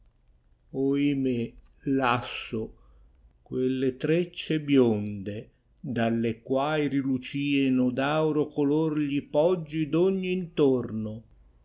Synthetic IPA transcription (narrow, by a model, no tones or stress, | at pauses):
oimelasːo | kwelːet̪ɾet͡ʃːebjond̪e | d̪alːekwaːjɾilut͡ʃiːenod̪awɾokolorʎipɔd͡ʒːid̪oɲːiːnt̪orno